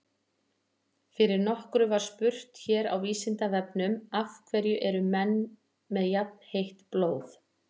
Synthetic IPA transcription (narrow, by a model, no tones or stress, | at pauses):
fɪɾɪɾnɔhkɾʏvaɾ̥spʏr̥t̪çɛːɾa̰wiːsɪnt̪avɛpnʏmafkʰvɛɾjʏʔɛɾʏmɛnː | mɛðjap̚n̥hejht̪ploːwθ